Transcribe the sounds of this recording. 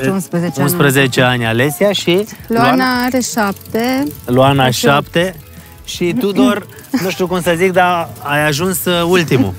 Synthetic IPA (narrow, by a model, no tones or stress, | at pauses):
unspɾəet͡ʃunspɾəze̞t͡ʃe̞anʲale̞siaʃiloanaaɾeʃap̚t̪eloanaʃapt̪e | ʃit̪ud̪or | nuʃt̪ukumsəzik̚d̪aajaʒunsult̪imṵ